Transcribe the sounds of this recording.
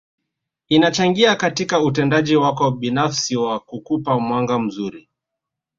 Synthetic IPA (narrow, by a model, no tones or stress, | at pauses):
inat͡ʃaŋɡiakatikautɛndaʄiwakɔɓinafsiwakukupamwaŋɡam̩zuɾi